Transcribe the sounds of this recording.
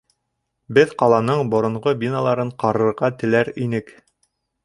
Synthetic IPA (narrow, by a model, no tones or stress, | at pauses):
bɘðqɑlˠɑnɤɴbŏɾŏɴʁobʲinalˠɑɾɤɴqɑɾɤ̆ɾʁɑt̪ɘ̆læɾinɘk